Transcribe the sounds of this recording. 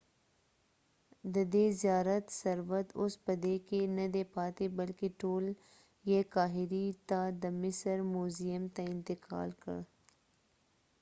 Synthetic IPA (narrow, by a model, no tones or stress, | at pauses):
d̪əd̪ezjaːɾət̪sɐɾʋət̪ʊsbɐd̪ekenɐd̪eːpaːt̪ebɐlkeʈoːl | jekaːɦɪɾit̪ad̪əmɪsəɾmuːzijəmt̪aɪ̃nt̪ɪka̰ːlkə̰ɽ